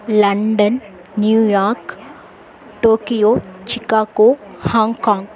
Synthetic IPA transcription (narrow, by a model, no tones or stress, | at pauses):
lɐɳɖɐnː | juːjaːɾk | ʈoːkijoːt͡ʃikaːkoːhaːŋkãːŋɡ